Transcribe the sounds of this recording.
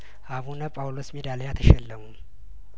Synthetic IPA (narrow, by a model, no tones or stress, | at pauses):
ʔaβunəpʼawlosmed̪alejat̪ʰəʃɛlːəmu